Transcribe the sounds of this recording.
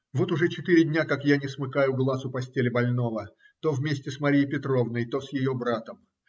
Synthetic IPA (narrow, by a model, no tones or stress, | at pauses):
vo̞t̪ʊʐɛt͡ɕɪt̪ɨɾʲɪdʲnʲakakjanʲɪsmɨkajʊɡlˠasʊpɐsʲtʲelʲɪbɐlʲno̞və | t̪ovʲmʲesʲtʲɪsmɐɾʲijəjpʲɪt̪ɾo̞vnəjt̪osjɪjobɾat̪əm